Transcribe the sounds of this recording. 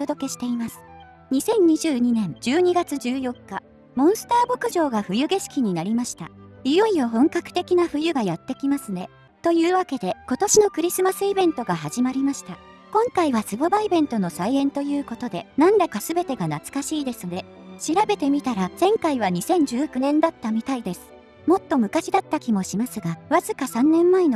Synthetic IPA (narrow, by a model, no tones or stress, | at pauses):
ot̪o̞d̪o̞ke̞ɕi̥t̪e̞imasɨ̥ | ɲ̟isẽ̞ɲ̟ɲiʑɨːɲ̟inẽ̞ɲ̟d͡ʑɨːɲ̟iɡat͡sɨd͡ʑɨːjo̞kːa | mõ̞ɰ̃sɨ̥t̪aːbo̞kɯ̟ʑo̞ːɡaɸɯ̟jɯ̟ɡe̞ɕi̥kʲiɲ̟inaɾʲimaɕi̥t̪a̰ijoijoɦõ̞ŋkakɯ̥t̪e̞kʲinaɸɯ̟jɯ̟ɡajat̪ːe̞kʲimasɨne̞ | t̪o̞jɯ̟ːβake̞d̪e̞ko̞t̪o̞ɕino̞kɯ̟ɾʲisɨmasɨibẽ̞nt̪o̞ɡaɦaʑimaɾʲimaɕi̥t̪a | kõ̞ŋkaiβasɨbobaibẽ̞nt̪o̞no̞saiẽ̞nt̪ojɯ̟ːko̞t̪o̞d̪e̞nãnd̪akasɨbe̞t̪e̞ɡanat͡sɨ̥kaɕiːd̪e̞sɨne̞ | ɕiɾabe̞t̪e̞mʲit̪aɾaz̥ẽ̞ŋkaiβ̞aɲ̟isẽ̞ɲ̟d͡ʑɨːkɯ̟nẽ̞nd̪at̪ːamʲit̪aid̪e̞sɨ̥ | mo̞t̪ːo̞mɯ̟kaɕid̪at̪ːakʲimo̞ɕimasɨɡaβ̞azɨkasãnːẽ̞mːaeno